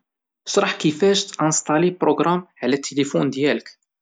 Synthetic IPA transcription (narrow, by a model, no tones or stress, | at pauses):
ʃɾˤɑħkifæʃt̪ʔæ̃nst̪ˤɑlipɾoɡɾˤɑmʕlæt̪ːelifund̪jælək